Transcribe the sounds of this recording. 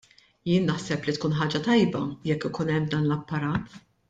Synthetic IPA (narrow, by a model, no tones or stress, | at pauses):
jɪːnːɐħsɛplit̪kuːnħɐːd͡ʒɐt̪ɐjbɐjɛkːɪkuːnɛmːd̪ɐːnlɐpːɐɾɐːt̪